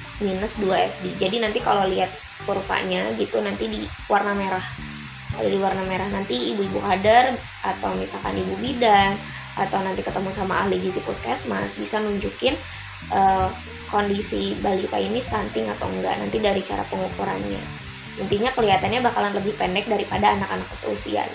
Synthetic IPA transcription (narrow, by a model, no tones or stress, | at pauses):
minəsduaɛ̰sdid͡ʒadinant̪ikaloliat̪̚ | purfa̰ʔɲaɡit̪unant̪idi | warnameɾah | ka̰lo̰diwarnameɾahnant̪iibuibukadar | ʔat̪awmisalka̰nibubidaŋ | at̪awnant̪ikət̪əmusamaːhlidizipuskɛsma̰sbisanuɲd͡ʒukɪn | ʔəː | kondisibalit̪a̰inist̪ant̪ɪŋat̪awəŋɡa̰na̰nt̪idaɾit͡ʃa̰ɾa̰pəŋukuɾa̰nɲa̰ | mənt̪iɲakəliɦat̪anɲabahkalanləbɪhpɛndɛk̚daɾipadaːnakanak̚ə̥so̰sḭa̰